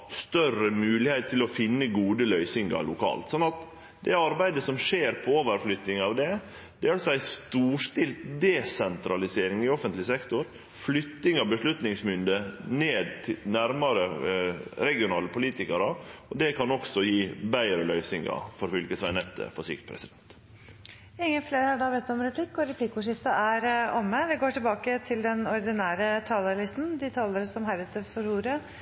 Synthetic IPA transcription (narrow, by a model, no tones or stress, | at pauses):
st̪œrəmʉːlɪhɛɪt̪t̪ʰːɪlɔfɪnːəɡuːd̪əlœʏsɪŋɡɑ̰lʊkʰɑ̰ːlt̪sɔnːɑt̪ | d̪ɛɑɾbæɪd̪əsɔmʂeːɾpʰɔoːʋəɾflʏt̪ːnɪŋɑʋd̪ɛ | d̪̥ɛɑlsɔæɪst̪uːʂtɪlt̪d̪ɛsɛnt̪ɾɑlɪseːɾɪŋɪɔfənt̪lɪsɛkt̪ʊɾ | flʏt̪ːɪŋɑʋbəʂlʉt̪nɪŋsmʏnd̪əneːd̪t̪ʰɪlnæɾmɑɾə | ɾɛɡɪʊnɑːləpʰʊliːt̪ɪkɑɾɑɔd̪ɛkʰɑnɔksɔjiːbæɪɾəlœʏsɪŋɑ̰fɔɾfʏlkəsʋæɪnɛt̪ʰːə̰fɔʂɪ̰kt̪̚pʰɾɛ̰sɪd̪ɛnt̪ | ɪŋːənfleːɾhɑɖɑbɛt̪ːɔmɾɛpʰlɪkːɔɾɛpʰlɪkːʊʂɪft̪əʔæɾɔmːəʋɪɡoːʈɪlbɑːkət̪ʰɪld̪ɛnɔɾd̪ɪnæːɾət̪ʰɑːləlɪst̪n̩d̪ɪt̪ʰɑːləɾsɔmɦæɾət̪əfɔɾhuːɾə